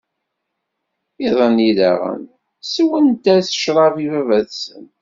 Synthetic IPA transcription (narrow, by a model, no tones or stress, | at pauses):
iðˤəniðæ̰ʁə̰n | swənt̪æθə̥ʃɾˤɑvivævæðsə̰n